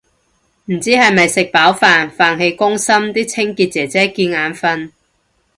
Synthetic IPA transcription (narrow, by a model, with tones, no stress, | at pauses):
m̩˨˩t͡siː˥hɐ˨jmɐ˨jsɪ˨k̚paː˨˥wfaː˨nfaː˨˧nɦe˧jkʊ˥ŋsɐ˥mt̪iː˥t͡sʰɪ˥ŋkiː˧t̚t͡sɛː˨˩t͡sɛː˥kiː˧nŋaː˨˥nfɐ˧n